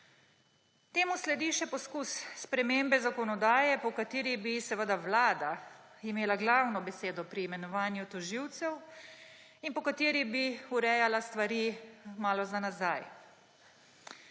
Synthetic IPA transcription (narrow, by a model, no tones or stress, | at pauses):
t̪eːmuslɛd̪iːʃɛpɔskusspɾɛmeːmbɛzakɔnɔd̪aːjɛpɔkat̪eːɾibisɛʋəd̪aʋlaːd̪aimeːlaɡlaːwnɔbɛseːd̪ɔpɾiːmɛnɔʋaːnjut̪ɔʒiwt̪sɛw | inpɔkat̪eːɾibiuɾɛjalast̪ʋaɾiːmaːlɔzanazaj